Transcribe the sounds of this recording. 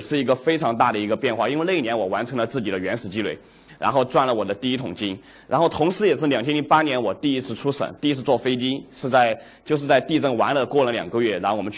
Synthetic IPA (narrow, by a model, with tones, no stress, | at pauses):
ʂɻ̩˥˩i˧˥ɡə˧fe˥ɪʈ͡ʂʰɑ˧˥ŋt̪a˥˩d̪ə˩i˧˥ɡə˧pjɛ˥˧nxwa˥˧i˥nwe˥˧le˥˩˧i˥˩njɛ˧˥nwɔ˨˩wa˧˥nʈ͡ʂʰɤ˧˥ŋlə˧t͡sɹ̩˥˩t͡ɕi˨˩d̪ə˦ɥɛ˧˥nʂɹ̩˨˩t͡ɕi˥lwe˥˩ɪ | ɻa̰˧˥nxo˥˧ʊt͡swa˥˩nlə˩wɔ˨˩d̪ə˦t̪i˥˧i˥t̪ʰʊ˨˩ŋt͡ɕi˥n | ɻa̰˧˥nxo˥˩ʊt̪ʰʊ˧˥ŋʂɻ̩˧˥jɛ˨˩ʂ̬ɻ̩˥˩ljɑ˨˩ŋt͡ɕʰjɛ˥nli˧˥pa˥njɛ˧˥nwɔ˨˩t̪i˥˩i˥t͡sʰɹ̩˥˧ʈ͡ʂʰu˥ʂə̰˨˩˦ŋt̪i˥˧˥t͡sʰɹ̩˥˧˩t͡swɔ˥˩fe˥ɪt͡ɕi˥ʂɻ̩˥˧t͡sa˥˧ɪ | t͡ɕjo˥˧ʊʂ̬ɻ̩˥˧t͡sa˥˧ɪt̪i˥˧ʈ͡ʂɤ˥˩ŋwa˧˥nlə˧kwɔ˥˩lə˩ljɑ̰˨˩ŋɡə˧ɥɛ˥˩ɻa˥xwə˦t͡ɕʰ